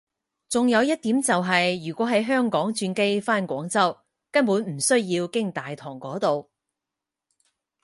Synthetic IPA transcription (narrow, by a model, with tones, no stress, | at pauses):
t͡sʊ˨ŋjɐ˨˧wjɐ˥t̚t̪iː˨˥mt͡sɐ˨wɦɐ˨jːyː˨˩kʷɔː˨˥ɦɐ˨˥jɦœː˥ŋkɔː˨˥ŋt͡ʃyː˧nke˥jfaː˥nkʷɔː˨˥ŋt͡sɐ˥w | kɐ˥npuː˨˥nm̩˨˩sɵ˥ɥjiː˧wkɪ˥ŋt̪aː˨jt̪ʰɔː˨˩ŋkɔː˨˥t̪o˨w